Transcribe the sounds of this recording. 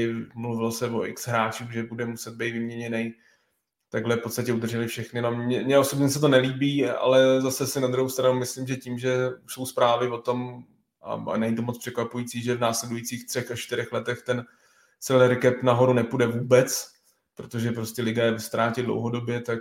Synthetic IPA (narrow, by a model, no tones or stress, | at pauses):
ɪmluvɪlsɛvoʔɪ̰ksɦɾaːt͡ʃuxʒɛbudɛmusɛd̪̚bɛjt̪vɪmɲɛɲɛnɛj | t̪aɡɦlɛfpotst̪acɛud̪r̩ʒɛlɪfʃɛxnɪnomɛmɲɛʔo̞so̞bɲɛsɛt̪̬o̞nɛliːbiːa̰lɛzasɛsɪnad̪ɾuɦowst̪ɾanumɪslimʒɛciːmʒɛso̞wspɾaːvɪvo̞t̪o̞m | ʔa̰a̰nɛɲit̪̬omot͡spr̥ɛkvapujit͡siːʒɛvnaːslɛdujit͡siːxt̪r̥ɛxaʃt͡ʃt̪ɪɾɛxlɛt̪ɛxt̪ɛn | t͡sɛlɛɾkɛpnaɦo̞ɾunɛpudɛvuːbɛt͡s | pɾot̪o̞ʒɛpɾo̞scɛlɪɡajɛvɪst̪ɾaːcɪdlo̰wɦo̞do̞bjɛt̪ak